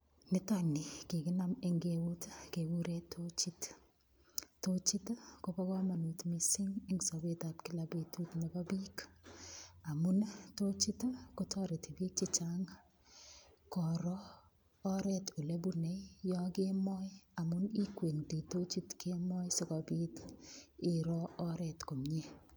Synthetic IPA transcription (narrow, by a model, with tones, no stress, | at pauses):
nɪ˦ta˦nɪ˨ki˨ɡɪ˦na˦mɪ˦ŋɡe˦wu˦tke˨wu˦ɾe˦tʰːo˦t͡ʃi˦t | tːo˦t͡ʃi˦tko˦pa˦ka˦ma˨nu˨tmi˨sɪ˦ŋɪ˦ŋsɔ˨be˦ta˨p̚kɪ˦la˨be˨tu˦tne˨ba˦bi˦k | a˨mu˦nto˦t͡ʃi˦tko˦tʰɔ˦ɾe˨ti˨bi˦k̚t͡ʃɪ˦t͡ʃaŋ | kɔ˨ɾɔː˦ | ɾɛ˦to˨le˦bu˦ne˨jɔ˦ɡe˦mɔ˦ja˨mʊ˦ni˦kwe˨nti˨to˦t͡ʃi˦tke˦mɔ˦jsɔ˦kɔ˨bi˦tɪ˨ɾɔ˦ɔ˦ɾɛ˨tko˨mɲe˦